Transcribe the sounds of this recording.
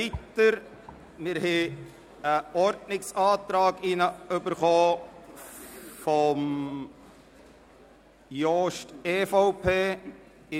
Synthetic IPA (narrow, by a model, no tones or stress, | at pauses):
itəɾ | mɪɾhɛ | əɔɾdnɪksɑːt̪ɾɑːɡinəʏbəɾχoː | fɔm | joːʃteːfoʊpʰeː | ɪ